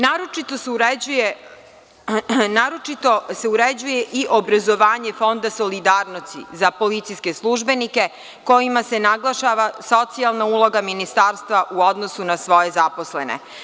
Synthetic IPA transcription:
naːɾot͡ʃit̪osuɾeuje | naːɾo̞t͡ʃit̪ose̞uɾed͡ʑuje̞ʔiʔobɾazo̞ʋaːɲefo̞nd̪aso̞lid̪aːɾnost̪ḭzapo̞lit̪sijskeslˠuʒbe̞nike̞ | ko̞jimase̞naɡlˠaʃaʋaso̞t̪sialˠnaulˠo̞ɡaminist̪aːɾst̪ʋaʔuo̞d̪nosunasʋo̞je̞zapo̞slḛnḛ

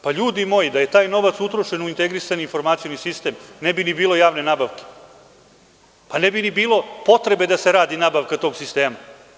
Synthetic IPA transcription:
paʎuːd̪imo̞jid̪aje̞t̪aːjno̞ʋat̪sut̪ɾoʃe̞nuint̪eɡɾisaninfo̞ɾmat̪ijonisist̪e̞ːmnebinibiːlo̞jaːʋne̞naːbaʋke̥ | panebinibiːlo̞po̞t̪ɾe̞be̞d̪ase̞ɾaːd̪inabaʋkat̪oɡsist̪e̞ːma

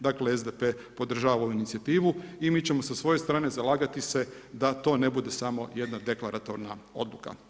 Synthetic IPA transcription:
d̪akleezd̪epe̞ | po̞d̪r̩ʒaːʋaouinit̪siat̪iːʋuimiːt͡ɕe̞mo̞sasʋo̞je̞st̪ɾaːne̞zalˠaːɡat̪ise̞ | d̪at̪o̞ːnebud̪e̞samo̞je̞d̪nad̪e̞klaɾat̪o̞ɾnao̞̰d̪luka̰

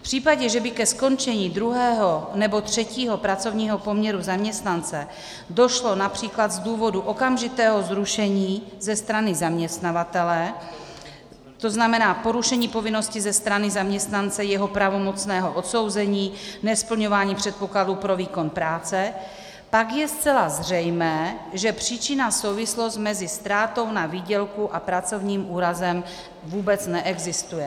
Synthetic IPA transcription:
fpr̝̥iːpaɟɛʒɛbɪkɛsko̞nt͡ʃɛɲiːd̪ɾuɦɛːɦonɛbo̞t̪r̝̥ɛciːɦo̞pɾat͡so̞vɲiːɦo̞po̞mɲɛɾuzamɲɛst̪nant͡sɛ | do̞ʃlo̞napr̝̥iːklad̪zduːvo̞duʔo̞kamʒɪt̪ɛːɦo̞zɾuʃɛɲiːzɛst̪ɾanɪzamɲɛst̪navat̪ɛlɛ | t̪o̞znamɛnaːpo̞ɾuʃɛɲiːpo̞vɪno̞scɪzɛst̪ɾanɪzamɲɛst̪nant͡sɛjɛɦo̞pɾavo̞mo̞t͡snɛːɦo̞ʔot̪so̞wzɛɲiːnɛspl̩ɲo̞vaːɲiːpr̝̥ɛt̪̚po̞kladuːpɾo̞viːko̞npɾaːt͡sɛ | pakjɛst͡sɛlazr̝ɛjmɛːʒɛpr̝̥iːt͡ʃɪnaso̞wvɪslost̪mɛzɪst̪ɾaːt̪o̞wnaviːɟɛlkuʔapɾat͡so̞vɲiːmʔuːɾazɛm | vuːbɛt͡snɛʔɛɡzɪst̪ujɛ

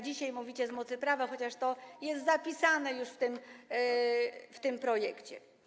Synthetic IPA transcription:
d͡ʑiɕajmuvʲit͡ɕɛzmɔt̪sɘpɾavaxɔt͡ɕaʂt̪ɔjɛst̪zapʲisanɛjuʂft̪ɘm | ft̪ɘmpɾɔjɛkt͡ɕɛ̰

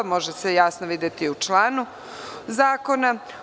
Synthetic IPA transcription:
mo̞ʒesejaːsnoʋiːd̪je̞t̪iut͡ʃlaːnu | zaːko̞na

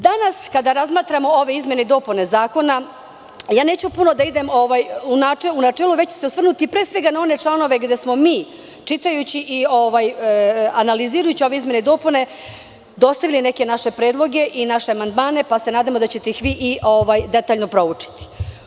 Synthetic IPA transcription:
d̪anaskad̪aɾazmaːt̪ɾamo̞o̞ʋe̞izmʲje̞neid̪o̞ːpune̞zaːko̞na | jaːne̞ːt͡ɕupuno̞d̪aid̪e̞mo̞ʋajunaeunat͡ʃeluʋet͡ɕt͡ɕe̥seosʋr̩nut̪ipɾe̞ːsʋe̞ɡanao̞ne̞t͡ʂlˠano̞ʋe̞ɡd̪e̞smo̞miː | t͡ʂit̪ajut͡ɕiʔio̞ʋajanaliziːɾajut͡ɕio̞ʋe̞izmje̞neid̪o̞ːpune̞ | d̪o̞st̪aʋiline̞ke̞naʃe̞pɾe̞ːd̪lˠo̞ɡe̞ʔinaʃeamand̪maːne̞pase̞naːd̪amod̪at͡ɕe̞t̪eixʋiːʔiʔo̞ʋajd̪e̞t̪aːʎno̞pɾo̞ut͡ʂi̥t̪i̥

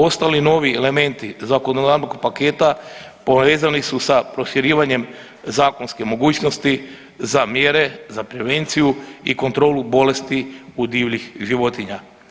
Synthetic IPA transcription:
o̞st̪alino̞ʋiele̞me̞nt̪izakonod̪aɾnoɡpake̞ːt̪a | po̞ʋe̞ːzanisusapɾo̞ʃiɾiːʋaɲe̞m | zaːko̞nske̞mo̞ɡuːt͡ɕno̞st̪i | zamjeɾe̞zapɾe̞ʋe̞nt̪sijuḭko̞nt̪ɾo̞ːlubo̞le̞st̪iud̪iːʋʎixʒiʋo̞t̪iɲa

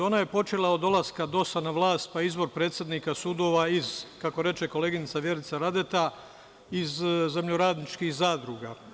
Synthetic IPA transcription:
o̞ːnaje̞po̞t͡ʃe̞lˠao̞d̪o̞lˠaskad̪o̞sanaʋlˠaːst̪̚paizbo̞ɾpɾe̞ːt̪sjed̪nikasud̪o̞ːʋaizkako̞ɾe̞t͡ʃe̞ko̞le̞ːɡinit̪saʋje̞ɾit̪saɾad̪e̞t̪a | izze̞mʎoɾaːd̪nit͡ʃkihzaːd̪ɾuɡa

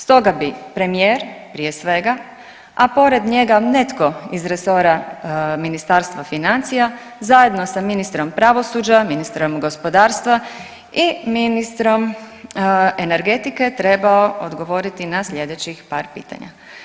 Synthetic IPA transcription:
st̪o̞ɡabipɾe̞mijeːɾpɾije̞sʋe̞ɡa | apo̞ɾe̞d̪ɲe̞ɡane̞t̪ko̞izɾe̞so̞ɾaminist̪aːɾst̪ʋafinant̪sija | zaje̞d̪no̞saminist̪ɾo̞mpɾaʋo̞suːd͡ʒaminist̪ɾo̞mɡo̞spo̞d̪aːɾst̪ʋa | iminist̪ɾo̞m | eneɾɡe̞t̪ike̞t̪ɾe̞baood̪ɡo̞ʋo̞ɾit̪inaslʎe̞d̪et͡ɕixpaːɾpḭːt̪a̰ɲa̰

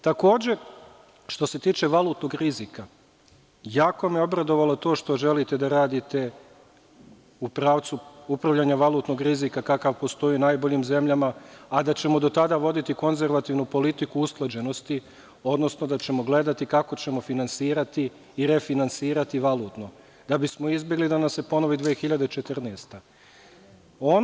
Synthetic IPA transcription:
t̪ako̞ːd͡ʑe̞ | ʃt̪o̞se̞t̪iːt͡ʃe̞ʋalˠuːt̪no̞ɡɾizika | jaːko̞mieo̞bɾad̪o̞ʋalot̪o̞ːʃt̪o̞ʒe̞lit̪e̞d̪aɾaːd̪it̪e̞ | upɾaːʋt̪suupɾaʋʎaɲaʋalˠuːt̪no̞ɡɾizikakakaʋpo̞st̪o̞iːnajbo̞ʎiːmze̞mʎamaːd̪at͡ɕe̞mo̞d̪o̞t̪ad̪aʋo̞d̪it̪iko̞nze̞ɾʋat̪iːʋnupo̞lit̪ikuusklˠad͡ʑe̞no̞st̪i | o̞d̪no̞sno̞d̪at͡ɕe̞mo̞ɡle̞d̪at̪ikako̞t͡ɕe̞mo̞finansiːɾat̪iː | ɾe̞finansiːɾat̪iʋalˠuːt̪no̞ | d̪̥abismo̞izbje̞ɡlid̪anamsepo̞no̞ʋid̪ʋeːxiʎad̪e̞t͡ʃet̪rɾneːst̪a | o

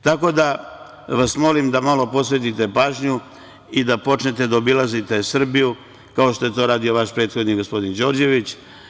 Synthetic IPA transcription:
t̪ako̞d̪a | ʋasmo̞limd̪amalo̞po̞sʋe̞t̪it̪e̞paːʒɲu | id̪apo̞t͡ʃnet̪e̞d̪aobilazit̪e̞sr̩biju | kao̞ʃt̪o̞je̞t̪o̞ːɾaːd̪io̞ʋaʃpɾe̞ːt̪xo̞d̪niɡo̞spo̞d̪ind͡ʒo̞ːɾd͡ʑe̞ʋit͡ɕ

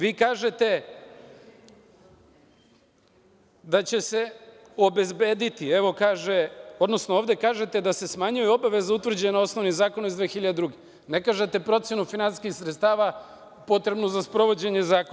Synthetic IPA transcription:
ʋiːkaːʒet̪e̞ | d̪at͡ɕe̞se̞ | o̞be̞zbe̞ːd̪it̪ieʋo̞kaːʒeo̞d̪no̞snooːʋd̪e̞kaːʒe̞t̪e̞d̪ase̞smaɲujɛo̞baʋe̞zaut̪ʋr̩d͡ʑenao̞sno̞ʋnizaːko̞naizd̪ʋeːxiʎad̪ed̪ɾuɡe | ne̞kaʒet̪e̞pɾo̞t̪sje̞nufinansi̥skixsɾet̪st̪aːʋa | po̞t̪ɾe̞bnuzaspɾo̞ʋo̞d͡ʑe̞ɲe̞zaːko

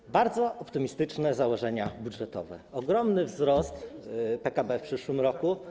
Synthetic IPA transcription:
baɾd̪zɔʔɔpt̪ɘmʲist̪ɘt͡ʂnɛzawɔʐɛɲabudʐɛt̪ɔ̰vɛ̰ɔɡɾɔmnɘvzɾɔst̪pɛkabɛfpʂɘʂwɘmɾɔku

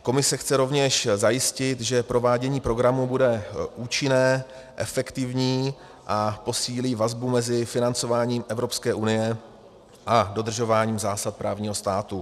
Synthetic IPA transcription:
ko̞mɪsɛxt͡sɛɾo̞vɲɛʃzajɪscɪt̪ʒɛpɾo̞vaːɟɛɲiːpɾo̞ɡɾamubudɛʔuːt͡ʃɪnɛː | ʔɛ̰fɛkt̪ɪvɲiː | ʔapo̞siːliːvazbumɛzɪfɪnant͡so̞vaːɲiːmʔɛvɾo̞pskɛːʔunɪjɛ | ʔado̞d̪r̩ʒo̞vaːɲiːmzaːsat̪̚pɾaːvɲiːɦo̞st̪aːt̪u

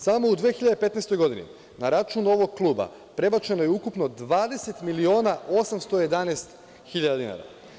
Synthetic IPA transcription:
samo̞ud̪ʋeːxiʎad̪epe̞t̪nest̪o̞jɡo̞d̪inḭ | naɾat͡ʃuːno̞ʋo̞ɡ̚klˠuːba̰ | pɾe̞bat͡ʃe̞no̞jeukupno̞d̪ʋaːd̪e̞se̞t̪milio̞ːnaʔo̞samst̪oje̞d̪anest̪ | xiʎad̪ad̪ina̰ɾa̰

